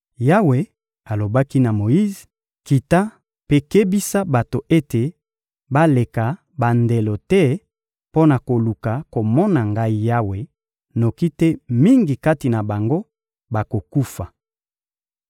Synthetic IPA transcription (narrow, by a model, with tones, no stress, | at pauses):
ja˦we˨ | a˨lo˨ba˦ki˦na˨mo˨ji˦z | ki˨ta˦ | pe˦ke˦bi˦sa˦ba˨to˨ʔe˦te˨ | ba˦le˨ka˨ | ba˨nde˨lo˨tɛ˦ | po˦na˨ko˨lu˨ka˨ko˨mɔ˦na˨ŋɡa˦i˦ja˦we˨ | no˨ki˦tɛ˦mi˦ŋɡi˨ka˦ti˨na˨ba˨ŋɡo˦ | ba˨ko˨ku˦fa˨